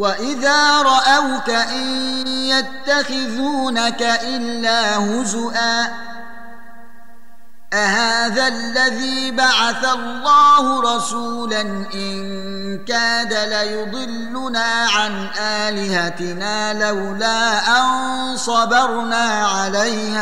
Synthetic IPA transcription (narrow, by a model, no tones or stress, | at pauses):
waʔɪðaːɾˤɑʔawkaʔɪnjat̪ːaxɪðuːnakaʔɪlːaːhʊzʊʔaː | ʔahaːðalːaðiːbaʕaθalˤːɑːhʊɾˤɑsuːlanʔɪn | kaːd̪alajʊd̪ˤɨlːʊnaːʕanʔaːlɪhat̪ɪnaːlawlaːʔan | sˤɑbɑɾˤnaːʕalajhaː